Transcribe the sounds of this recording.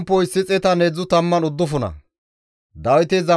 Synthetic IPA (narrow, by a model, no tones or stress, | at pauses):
mpːɔɪsːɪt͡sʼɛt̪ɐneːd͡zːʊt̪ɐmːɐnʊd̪ːʊfʊnɐ̰ | d̪ɐwɪt̪ɪzɐ